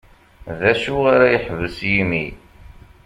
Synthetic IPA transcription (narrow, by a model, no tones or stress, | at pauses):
ðæʃuʁaɾæjəħvəsjimi